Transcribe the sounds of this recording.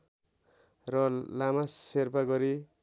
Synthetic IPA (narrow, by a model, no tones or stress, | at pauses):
rʌlamaserpaɡʌɾi